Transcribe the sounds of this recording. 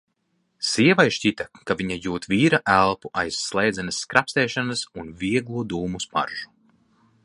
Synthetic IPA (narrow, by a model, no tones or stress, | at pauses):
siɛvajʃcʲit̪akaviɲajuːt̪viːɾaʔælˠpuʔajsːlˠɛjd̪zɛnɨsːkɾʔapst̪ɛjʃanɨsunvʲiɛɡlˠuɔd̪uːmuspa̰ɾʒ̥u̥